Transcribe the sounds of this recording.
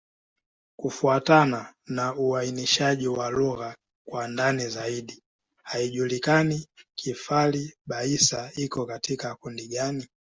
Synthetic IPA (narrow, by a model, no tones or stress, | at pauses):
kufuatananauainiʃaʄiwaluɣa | kwandanizaiɗi | haiʄulikanikʰifaliɓaisaikɔkatʰikakundiɡani